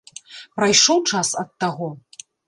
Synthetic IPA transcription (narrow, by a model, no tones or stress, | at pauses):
pɾajʂɔwt͡ʂasɐt̪ːaɣɔ